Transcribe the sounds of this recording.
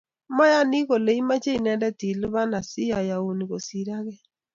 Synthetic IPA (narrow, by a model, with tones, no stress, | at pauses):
ma˦ja˦ni˦ɣo˨le˨i˦ma˦t͡ʃe˦i˨nɛ˦dɛ˦ti˨li˦βa˦na˨si˦ja˨ja˨u˨ni˨ɣo˨si˨ɾa˦ɣɛ˦